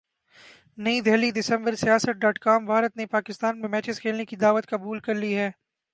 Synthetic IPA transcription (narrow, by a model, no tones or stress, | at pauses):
nɐĩd̪ʱɛːlid̪ɪsə̃mbəɾsijaːsət̪̚ɖaːʈkaːmbʱaːɾət̪nepaːkɪst̪aːnmẽmɛːt͡ʃɪzkʰeːlnekid̪aːʋət̪kɐbuːlkɐɾliɦɛː